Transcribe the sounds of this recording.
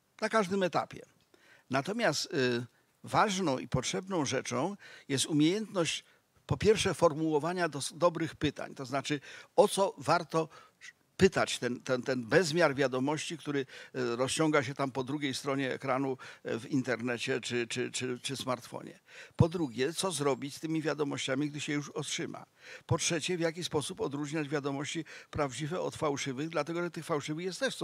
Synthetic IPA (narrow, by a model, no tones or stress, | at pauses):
nakaʐd̪ɘmɛt̪a̰pʲjɛ̰ | nat̪ɔmʲjast̪ | vaʐnɔ̃w̃ʔḭpɔtʂɛbnɔ̃w̃ʐɛt͡ʂɔ̃w̃jɛst̪umʲjejɛnt̪nɔɕt͡ɕ | pɔpʲjɛɾfʂɛfɔɾmuwɔvaɲad̪ɔsd̪ɔbɾɘxpɘt̪a̰ɲt̪ɔznat͡ʂɘɔt̪sɔvaɾt̪ɔ | pɘt̪at͡ɕt̪ɛnt̪ɛnt̪ɛnbɛzmʲjaɾvʲjad̪ɔmɔɕt͡ɕikt̪uɾɘɾɔst͡ɕɔŋɡaɕ̬ɛt̪ampɔd̪ɾuɡʲejst̪ɾɔɲɛɛ̰kɾanuvint̪ɛɾnɛt͡ɕɛt͡ʂɘt͡ʂɘt͡ʂɘt͡ʂɘsmaɾt̪fɔ̰ɲɛ̰pɔd̪ɾuɡʲjɛt̪sɔzɾɔbʲit͡ɕst̪ɘmʲivʲjad̪ɔmɔɕt͡ɕamʲiɡ̚d̪ɘɕɛjuʂɔtʂɘma̰pɔtʂɛt͡ɕɛvʲjak̬ʲispɔsupɔd̪ɾuʐɲad͡ʑvʲjad̪ɔmɔɕt͡ɕipɾavd͡ʑivɛɔt̪fawʂɘvɘɣd̪lat̪ɛɡɔʐɛt̪ɘxfawʂɘvɘxjɛst̪ɛʂs